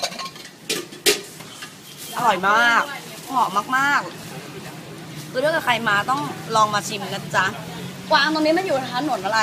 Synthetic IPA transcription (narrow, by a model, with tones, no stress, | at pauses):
ʔa˧ɾɔ˨˩jmaː˥˩k̚ŋɔ˨˩maː˥˩k̚maː˥˩k̚ | kʰɯː˧ɾka˨˩kʰa˧jmaː˧t̪ɔ˥˩ŋlɔː˧ŋmaː˧t͡ɕʰi˧mna˧˩t͡ɕa˧˥ | kwaː˧a˧t̪ɔː˧niː˦˥ma˧˥˨juː˨˩a˧˩tʰa˧˥nːo˨˩˦nʔaː˧a˧˦